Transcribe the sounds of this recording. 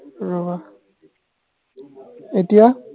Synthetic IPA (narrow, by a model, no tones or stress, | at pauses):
ɹoba | etija